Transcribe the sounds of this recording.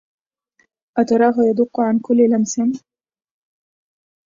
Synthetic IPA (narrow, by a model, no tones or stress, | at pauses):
ʔat̪ɑɾˤɑːɦʊjad̪ʊqːʊʕankʊlːlamsɪn